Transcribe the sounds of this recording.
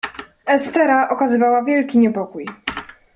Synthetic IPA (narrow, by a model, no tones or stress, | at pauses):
ɛst̪ɛɾaʔɔkazɘvawavʲjɛlkʲiɲɛpɔkuj